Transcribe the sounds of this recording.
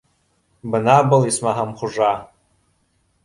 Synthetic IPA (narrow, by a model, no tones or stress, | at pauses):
bɨnabalismaɦamχʷʊʐa